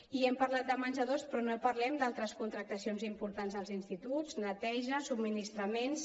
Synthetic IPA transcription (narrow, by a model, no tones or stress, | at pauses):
iɛmpɐɾlat̪̚d̪əmanʲzəðospɾɔnopɐɾlɛmd̪alˠt̪ɾəskunt̪ɾək̚t̪əsionzimpuɾt̪anzðəlˠzinst̪it̪ud͡znət̪ɛʒəsubminist̪ɾəmens